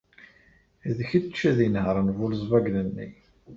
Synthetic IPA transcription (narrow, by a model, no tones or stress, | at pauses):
ðçit͡ʃːæðinhəɾˤənvuləzˤvæɡlənːḭ